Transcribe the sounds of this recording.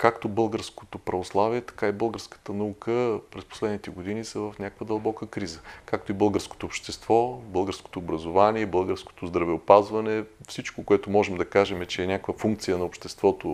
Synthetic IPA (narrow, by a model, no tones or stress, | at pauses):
kakt̪obɤlˠɡəɾsko̥t̪opɾɐvoslˠaviɛt̪ɐ̥kaibɤəlˠɡəɾskə̥t̪ənɐukəpɾɛspo̥slɛd̪nit̪ɛɡod̪inisɐvɐfnʲakəkvəd̪ɐlˠbɔkəkɾizəkak̚t̪oibɤlˠɡəɾsko̥t̪oːpʃt̪ɛst̪vɔbɤlˠɡəɾsko̥t̪oːbɾɐzovaniɛbɤlˠɡəɾsko̥t̪ozd̪ɾɐvɛopazvɐnɛfsit͡ʃkokoɛt̪omɔʒɛmd̪ɐkaʒɛmɛt͡ʃɛːnʲakəkvəfuŋk̚t̪sijənɐopʃt̪ɛst̪vɔt̪o